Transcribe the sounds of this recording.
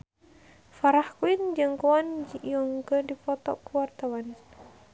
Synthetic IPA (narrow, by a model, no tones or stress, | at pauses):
faɾahkuind͡ʒɨŋkoand͡ʒjɔŋɡədipɔt̪ɔ̰ʔkuwart̪awan